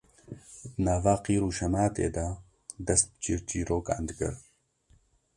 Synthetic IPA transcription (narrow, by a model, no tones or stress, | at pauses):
d̪naːvaːqiːɾuːʃɐmaːt̪ḛːd̪a | d̪ɐst̪̚bt͡ʃiːɾt͡ʃiːɾoːka̰nd̪kɨ̰ɾ